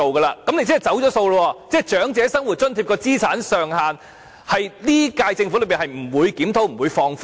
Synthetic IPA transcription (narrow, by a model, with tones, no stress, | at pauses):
o˨wkɐː˧laː˧kɐ˨˦mne˧jt͡sːjt͡sɐ˨˥wt͡ʃɔː˨˥so˧wlə˧wɔː˧t͡sɛː˥˩t͡ʃœː˨˥ŋt͡sɛː˨˥sɐ˥ŋwu˨t̚t͡ʃɵ˥nt̪ʰiː˧p̚kɔː˧t͡siː˥t͡sʰaː˨˥nsœː˨ŋhaː˨n | hɐ˨jliː˥kaː˧jt͡sɪ˧ŋflɥpiː˨˩nhɐ˨˩jm̩˨˩wuː˨˧jkiː˨˥mt̪ʰo˨˥wm̩˨˩wuː˨˧jfɔː˧ŋf